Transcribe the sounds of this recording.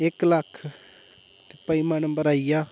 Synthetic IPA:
ɪkləkʰ | t̪epəimənbəɾaːijaː

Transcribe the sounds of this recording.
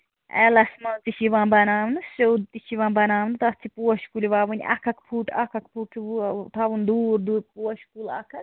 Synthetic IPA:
ɛ̰lɐsmɐlt̪iʃiʋãːbɐnaːmnɨsowd̪̚t̪it͡ʃiʋãːbɐnaːmnɨt̪ɐt͡sʰipuwɐʃkuliʋaːʋun̰ʲʔɐ̰kʰɐkpʰuːʈʰɐkʰɐk̚pʰuːʈʰːt̪ʰaʋund̪uːɾd̪upuɐʃkulɐ̰kʰɐk

